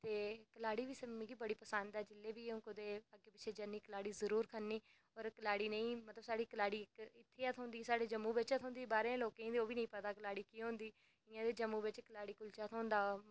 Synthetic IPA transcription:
t̪eːkəlaːɽiːʋiːsəmːĩːkiːbəɽiːpəsand̪aːd͡ʒɪlːeːʋiːʊ̃ːkod̪eːəɡeːpɪt͡ʃʰeːd͡ʒənːiːkəlaːɽiːzəɾuːɾkʰənːiː | ɔːɾkəlaːɽiːnə̃ĩːmət̪ləbsaːɽiːkəlaːɽiːkɪt̪ʰːeːat̪ʰɦõːnd̪iːsaːɽeːd͡ʒəmːuːbɪt͡ʃat̪ʰɦõːnd̪iːbaːɾẽːloːkeĩːd̪eoːʋiːnəĩːpət̪aːkəlaːɽiːkiːɦõːnd̪iː | ɪ̃ːãːd̪eːd͡ʒəmːũːbɪt͡ʃkəlaːɽiːkʊlt͡ʃaːt̪ʰõːnd̪aː

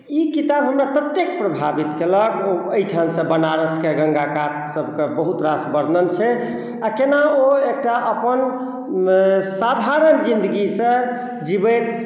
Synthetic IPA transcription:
ikit̪abɦəmɾap̪ət̪ːjek̚pɾəbʱabit̪keləkoəjʈʰamsə̃bənaɾəskeɡə̃ŋɡakat̪səb̚ʱkebəɦut̪ɾasbəɾnənt͡ʃʰɛ | akenaoek̚ʈaʔəpən | sad̪ʱaɾənd͡ʒind̪əɡisə̃ | d͡ʒibət̪̚

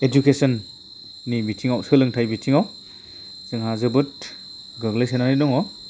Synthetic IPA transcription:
ed͡ʒukesɔnː | ibitʰiŋawsɯlɯŋtʰajbitʰiŋaw | z̥ɯŋɦazɯbɯt̚ | ɡɯɡlɯjsenanɯjdɔŋɔ

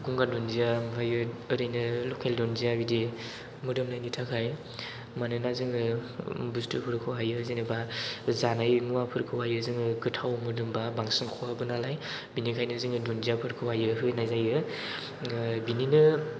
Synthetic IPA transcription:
ɡuŋɡadɔnzijambʰajɯɯɾɯjnɯlɔkʰeldɔnziabidi | mɯdɯmnajnitʰakʰaj | manɯnazɯŋɯbustʰɯpʰɯɾkʰɯwajɯzinɯbazanajmuwapʰɯɾkʰɯwajɯzɯŋɯkɯtʰawmɯɾdɯmbabaŋsɯŋkʰɔwabɯnalaj | binikʰajnɯzɯŋɯdɔnzijapʰɯɾkʰɯwajɯɦɯnajzajɯ | bininɯ

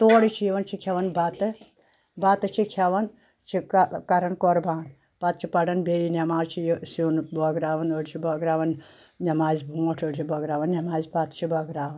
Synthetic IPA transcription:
t̪oːɽit͡ʃʰijiʋɐnt͡ʃʰikʰɐʋɐnbɐt̪ɨ | bɐt̪ɨt͡ʃʰikʰʲɐʋɐn | t͡ʃʰikkɐɾɐnkɔɾbaːn | pɐt̪̚t͡ʃʰipɐɖɐnbeːjinʲɐmaːt͡ʃʰijsunbɔɡɾaːʋɐnoɽt͡ʃʰibɐɡɾaːʋɐn | nʲɐmaːzbʱuoʈʰoɽt͡ʃʰibɐɡɾaːʋɐnnʲɐmaːzpat̪t͡ʃʰibɐɡɾaːʋɐn

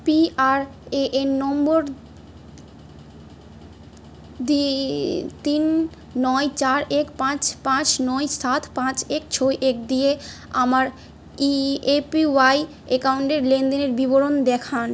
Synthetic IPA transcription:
piaɾeʔenːɔmboɾ | d̪i | t̪inː | ɔjt͡ɕaɾekpãt͡ɕpãt͡ɕnɔjsat̪ʰpãt͡ɕek̚t͡ɕʰojʔek̚d̪ije | amaɾ | iepiwaj | ekawuɳʈeɾlend̪eneɾbiboɾond̪ɛkʰan

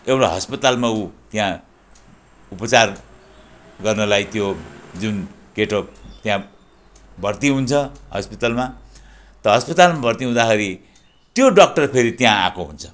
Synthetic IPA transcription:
ewɽaɦʌspʌt̪almaut̪jã | upʌt͡sar | ɡʌrnʌlajt̪jod͡zunkeʈʌpt̪jã | bʱʌrt̪iɦunt͡sʰʌɦʌ̰spit̪alma | t̪ʌɦʌspʌt̪almabʱʌrt̪iɦũd̪axʌɾi | t̪joɖʌk̚ʈʌrpʰeɾit̪jãã̰koɦṵnt͡sʰʌ̥

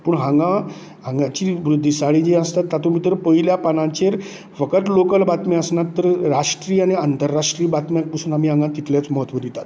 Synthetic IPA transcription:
pəːɳɦãŋɡã | ɦãŋɡãt͡ɕiʋɾud̪ʱːisaɽid͡ʑeəst̪at̪ːat̪omiːt̪əɾpəɦiljapanãt͡ɕeɾ | fəkəʈ̪lokəlbat̪meəsnat̪ːəɾɾaʂʈɾiːaɽ̃iant̪əɾːaʂʈɾiːbat̪mjak̚pusuːnam̤iːɦãŋɡãt̪it̪ljat͡sməɦət̪ʋəd̪it̪at̪

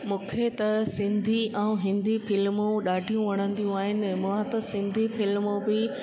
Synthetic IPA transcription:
mũːkʰet̪ɐsɪ̃nd̪ʱiʔɛ̃ũɦɪ̃nd̪ifɪlmũɗaːɖʱijũʋɐɽ̃ə̃nd̪ijũaːɦɪnɪ̆mʊãt̪ɐsɪ̃nd̪ʱifɪlmõbɪ

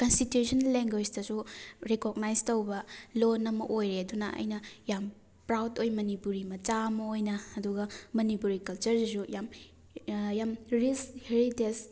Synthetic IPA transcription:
kɐnstitjusɐnlːeŋɡwed͡ʒdɐzuɾekoɡ̚najztowbɐlonɐmɐ̰ʔojɾeɐdunɐʔɐ̰jnɐjam | pɾawdojmɐnipuɾimɐt͡ʃamɐojnɐɐduɡɐmɐnipuɾikɐlt͡ʃɐɾizujam | jamɾisheɾites

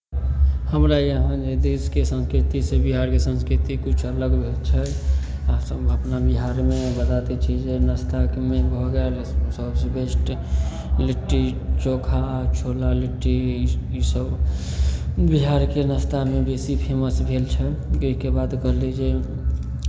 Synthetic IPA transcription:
həmɾajəɦə̃d͡ʒed̪eskesə̃nskɾit̪isebiɦaɾkesə̃nskɾit̪ikut͡ʃʰələɡbʱelt͡ʃʰɛ | səbəpnabiɦaɾmebət̪at̪et͡ʃʰid͡ʒenəst̪akmẽbʱɔɡeɾ | səbsbesʈ | liʈːit͡ʃokʰat͡ʃʰolaliʈːiisəb | biɦaɾkenəst̪amebesipʰeməsbʱelt͡ʃʰɛoɦikebaːd̪kəɾlid͡ʒe

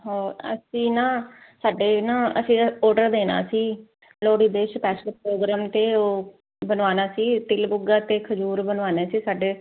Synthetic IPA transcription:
ɦoːə̰sĩːnãːsaːɖeːnãːəsĩːɔːɾɖəɾd̪eːna̰ːsiː | loːɽiːd̪eːʃpɛːsəlpɾoːɡɾaːmt̪eːoː | bənʋaːnaːsiːt̪ɪlbʊɡaːt̪eːkʰəd͡ʒuːɾbənʋaːneːsiːsaːɖeː

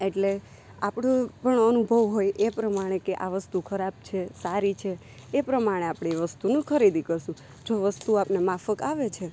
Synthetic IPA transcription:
eʈle | apɽ̃epəɳənubʱəʋɦojʔepɾəmaɽ̃ekeʔaʋəst̪ukʰəɾab̚t͡ʃʰesaɾit͡ʃʰeː | pɾəmaɽ̃eapɽ̃eʋəst̪unũkʰəɾid̪ikəɾʃũ | d͡ʒoʋəst̪uapnemafəkaʋet͡ʃʰe

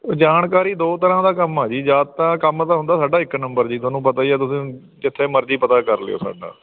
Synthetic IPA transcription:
d͡ʒaːnkaːɾiːd̪oːt̪əɾãːd̪aːkəmaːd͡ʒiːd͡ʒaːd̪̚t̪ãːkəmt̪aːɦʊ̃nd̪aːsaːɖaːɪknəmbəɾd͡ʒiːt̪ʰʊaːnũːpət̪aːiɛːt̪ʊsĩː | d͡ʒɪt̪ʰːeːməɾd͡ʒiːpət̪aːkəɾlḛo̰ːsa̰ːɖa̰ː

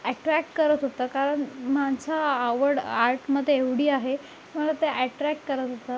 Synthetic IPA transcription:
æʈɾækʈkəɾət̪ɦot̪əkaɾəɳmad͡zaːʋəɽaɾʈməd̪ʱjeeʋɽ̤iːaɦe | m̤əlat̪eʔæʈɾæk̚ʈkəɾət̪ɦot̪a

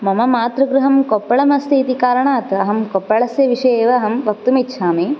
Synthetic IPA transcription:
mɐmɐmaːt̪ɾɐɡɾuɦɐmkɔpːɐɭɐmɐst̪ʰiːt̪ikaːɾɐɳaːt̪ɐɦɐmkɔpːɐɭɐsjɐʋiʂeːʋɐːɦɐmʋɐk̚t̪umitːʃʰaːmi

